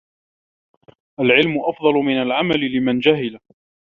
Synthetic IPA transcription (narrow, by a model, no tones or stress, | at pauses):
ʔalʕɪlmʊʔɑfd̪ˤɑlʊmɪnalʕamalɪlɪmand͡ʒaɦɪla